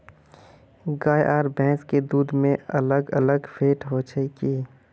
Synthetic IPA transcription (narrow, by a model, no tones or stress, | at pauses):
ɡaːjʔaːɾbɛ̃ːsked̪uːd̪mẽɐ̰ləɡɐləɡfʰeːʈɦoːt͡ʃʰəkiː